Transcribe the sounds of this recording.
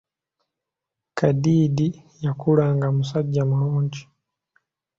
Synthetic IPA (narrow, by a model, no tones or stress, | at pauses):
kaɗiɗi | jakulaŋɡamusaɟamulɔːɲd͡ʒi